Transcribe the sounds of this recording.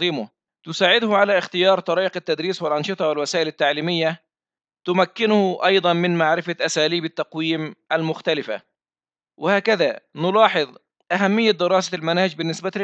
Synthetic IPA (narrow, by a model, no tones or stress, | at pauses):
iːmʊ | t̪ʊsaːʕɪd̪ʊhʊʕalaːʔɪxt̪ɪjɑːɾˤt̪ˤɑɾiːʔɪqat̪ːad̪ɾiːswɪlʔɑnʃɨt̪ˤɑwɪlwasaːʔɪlɪt̪ːaʕliːmɪjːa | t̪ʊmakːɪnʊhʔɑjd̪ˤɑnmɪnmaʕɾɪfaʔasaːliːbat̪ːɑqwiːmʔalmʊxt̪alɪfa̰ | wʔɪhaːkaðaːnʊlɑːħɨðˤ | ʔaɦamːɪjːad̪ɪɾɑːsalmanaːhɪd͡ʒbɪnːɪsbal